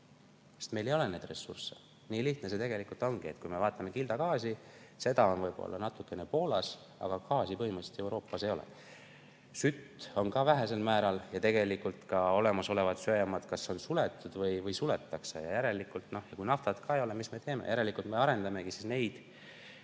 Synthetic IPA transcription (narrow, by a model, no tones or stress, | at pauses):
sest̪me̞jle̞jo̞le̞ne̞ːd̪̥re̞sːurse | niːliht̪nese̞t̪e̞ɡe̞likːˑult̪ˑo̞ŋɡ̥ie̞t̪̚ːˑkujme̞vɑːt̪ːˑɑme̞kild̪̥ɑkɑːsise̞d̪̥ɑo̞nvɤjb̥o̰lːɑ̰nɑt̪ːˑukːˑe̞ne̞po̞ːlɑs | ɑ̰ɡ̥ɑkɑːsipɤɦhimɯt̪set̪iewɾo̞ːpːˑɑsejo̞lḛ | syt̪ːo̞nkɑvæɦæse̞lmæːɾɑljɑt̪e̞ɡe̞likːult̪kɑo̞le̞mɑso̞le̞vɑt̪søjɑmɑd̪̥kɑsːeonsule̞t̪ːˑud̪̥vɤjvɤjsule̞t̪ːɑkse̞̰jɑ̰jæɾe̞likːˑult̪ˑno̞hjɑkujnɑft̪ɑd̪̥kʰɑejo̞le̞misme̞t̪e̞ːme̞̰jæɾe̞likːˑult̪me̞ɑɾe̞nd̪̥ɑme̞ɡ̥isisne̞jd̪̥